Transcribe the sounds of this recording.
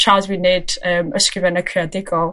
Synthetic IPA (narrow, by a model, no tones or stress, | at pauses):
t͡ʃʰazwinedəːməskɾɪvɛnəkʰrɪadɪɡɔlˠ